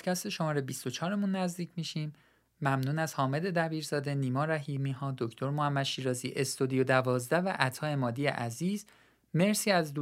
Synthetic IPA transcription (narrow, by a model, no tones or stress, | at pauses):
cʰæst̪eʃo̞mɒːɾebist̪ot͡ʃʰɒːɾe̞muːnːæzd̪iːcʰmiːʃiːmː | æmnuːnæzhɒːme̞d̪e̞d̪æbiːɾz̥ɒːd̪e̞niːmɒːɾæɦiːmiːɦɒːd̪o̞cʰt̪ʰo̞ɾmohæmːæd̪ʃiːɾɒːzḭːʔe̞st̪od̪ijod̪ævɒːzd̪ævæʔæt̪ʰɒːe̞mɒːd̪iːjḛʔæziːz | me̞ɾsiːæzd̪u